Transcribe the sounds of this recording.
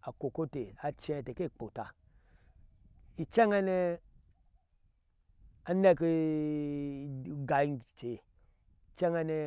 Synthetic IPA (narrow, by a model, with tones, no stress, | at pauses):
a˨ko˨ko˦te˨a˧t͡ʃe˧˨te˨ke˦˨k͡po˨ta̰˨ | i˨t͡ʃɛ˦ŋɛ˦ne˧ | a˨ne˧˨ke˧ | ɡa˨˦˧t͡ʃe˨ | t͡ʃɛ˦ŋɛ˧ne˧